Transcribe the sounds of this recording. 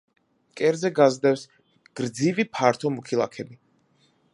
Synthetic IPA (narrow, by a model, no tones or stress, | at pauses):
kʼɛɾd̪zɛɡazd̪ɛfs | ɡ̥ɾd̪zivipʰaɾt̪ʰɔmukʰilˠa̰kʰɛbi